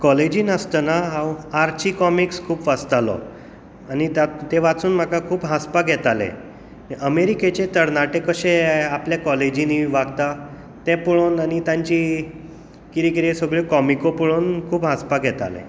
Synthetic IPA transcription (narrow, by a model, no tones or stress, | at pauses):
kɔled͡ʑiːnəst̪ənaɦawaɾt͡ɕikɔmikskʰuːpʋəst̪alɔ̰ | anit̪at̪eʋat͡suːnm̤akakʰuːpɦaspaɡʱɛt̪alḛ̃ | ʔəmeɾiket͡ɕet̪əɾnaʈekəɕeapljakɔled͡ʑiniʋaɡt̪a | t̪ɛ̃puɭoːnanit̪jãɲt͡ɕi | kiɾikiɾesəɡɭekɔmikopuɭuːnkʰuːpɦaspaɡʱɛt̪a̰lḛ